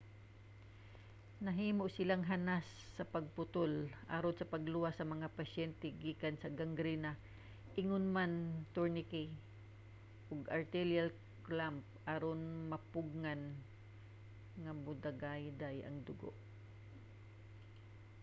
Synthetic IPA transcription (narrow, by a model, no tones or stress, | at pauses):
nɐɦiːmoʔsɪlaŋɦanasːɐpɐɡ̚pʊt̪olʔa̰ɾod̪sɐpɐɡlʊwasːɐmɐŋapɐʃɛnt̪ɛɡiːkansɐɡɐŋɡɾina | ʔɪŋʊnmant̪ʊɹnɪki | ʔʊɡɐɹt̪ɛljal | klamp̚ | aɾonmɐpʊɡ̚ŋan | ŋɐmʊd̪aɡajd̪ajʔɐ̰ŋd̪ʊɡo̰ʔ